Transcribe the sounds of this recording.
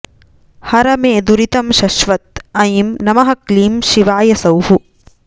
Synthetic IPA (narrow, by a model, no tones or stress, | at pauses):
hɐɾɐmeːd̪uɾit̪ɐmʃɐʃʋɐt̪̚ɐjmnɐmɐɦɐkliːmʃiʋaːjɐsɐwhu